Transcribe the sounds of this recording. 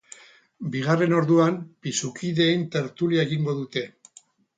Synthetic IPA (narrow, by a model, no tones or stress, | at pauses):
biɣare̞no̞ɾðuampisukʰiðe̞jnt̪e̞ɾt̪uliaeɣiŋɡo̞ðut̪e̞